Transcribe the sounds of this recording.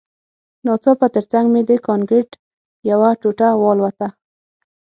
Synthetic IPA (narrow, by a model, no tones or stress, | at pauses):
nɑt͡sɑpət̪əɾt͡saŋɡmed̪əkɑnɡɪʈ | jawaʈoʈawɑlwat̪a